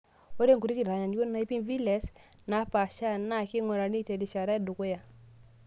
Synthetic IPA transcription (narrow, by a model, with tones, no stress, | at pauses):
o˦ɾe˦ŋɡu˨ɾi˦ki˨ɾa˨ɲa˨ɲ˦o˦na˦i˦pi˦nvi˦lɛ˨˦s | na˨˦pa˨ʃa˦na˦˨ki˦ŋɔ˨ɾa˨ni˦te˨di˨ʃa˨ɾa˦du˨ko˦ja˨